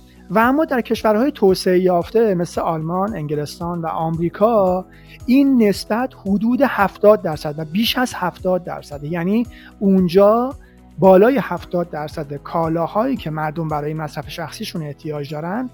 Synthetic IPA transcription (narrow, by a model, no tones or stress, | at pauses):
vææmːɒːd̪æɾcʰe̞ʃvæɾhɒːjet̪ʰoːse̞ejɒːft̪e̞me̞sle̞ɒlmɒne̞ŋɟele̞st̪ɒːnvæ̰ʔɒːmɾiːkʰɒː | iːnːe̞sb̥æt̪ʰhod̪uːd̪e̞hæft̪ɒːd̪̚ːæɾsæd̪væbiːʃæz̥hæft̪ɒːd̪̚ːæ̰ɾsæd̪ejæniː | und͡ʒɒː | bɒːlɒːje̞hæft̪ɒːd̪̚ːæɾsæd̪ekʰɒːlɒːhɒːiːcʰe̞mæɾd̪o̞mbæɾɒːje̞mæsɾæfeʃæxsiːʃune̞ʔht̪ʰijɒːd͡ʒd̪ɒːɾænd̪̥